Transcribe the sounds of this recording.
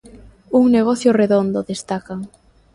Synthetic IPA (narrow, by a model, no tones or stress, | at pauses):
uŋneɣ̞ɔθjʊreðond̪ʊðest̪akaŋ